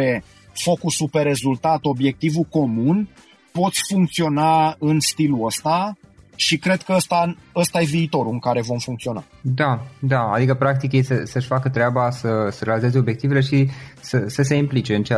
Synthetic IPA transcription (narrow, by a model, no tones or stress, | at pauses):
e̞ | fo̞kusupe̞re̞zult̪at̪o̞bje̞k̚t̪ivuko̞mun | po̞t̪sʲfuŋkt̪sio̞naɨnst̪iluəst̪aʃikɾe̞d̪kəəst̪aəst̪aje̞viːt̪o̞ɾuɨŋkaɾe̞vo̞mfuŋk̚t̪io̞na̰ | d̪ad̪aa̰d̪ikəpɾak̚t̪ikjest̪esəʃʲfakət̪ɾeabasəsəɾealizezeo̞bje̞k̚t̪iveleʃisəsəs̬e̞implit͡ʃe̞ɨnt͡ʃ